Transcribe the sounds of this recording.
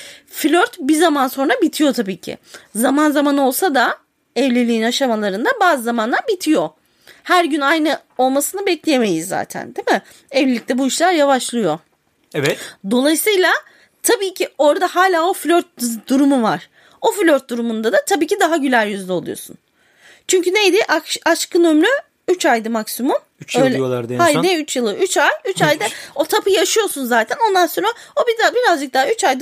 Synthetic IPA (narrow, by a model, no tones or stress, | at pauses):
flʲøɾt̪bizamanso̞nɾabit̪ʰijo̞t̪ʰabiːcʰɪ̰zamanzamano̞lˠsad̪a | ɛvlʲelʲiːinaʃamalˠaɾɯnd̪abaːzɯzamanlˠaɾbit̪ʰijo̞ | hæɾɟynajnɯo̞lˠmasɯnɯbɛclʲejeme̞jizːa̰ːt̪ʰæ̰nd̪emɪ | ɛvlʲeict̪ɛbuiʃlʲˠaɾjavaʃlˠɯjo̞ | ɛvɛtd̪o̞lˠajɯsɯjlˠa | t̪ʰabiːcʰio̞ɾad̪ahaːlʲaːo̞flʲøɾt̪̚d̪uɾumuvaɾ̥ | o̞flʲøɾt̪̚d̪uɾumund̪ad̪at̪ʰabiːcʰid̪aɦaɟylʲæɾjyzd̪ʲɛlˠṵjo̞̰sṵn | t͡ʃʰyɲcʰynejd̪ɪʔaʃaʃkʰɯnømlʲy | yt͡ʃajd̪ɯmaksimum | yt͡ʃøjlʲɛjolˠaɾd̪eajneyt͡ʃjɯlˠɯʔyt͡ʃajyt͡ʃajd̪ɯo̞t̪ʰapʰɯjaʃɯjo̞sunzaːt̪ʰæno̞nd̪anso̞nɾaobid̪abiɾazd͡ʒɯk̪̚aɦayt͡ʃajd̪ɯ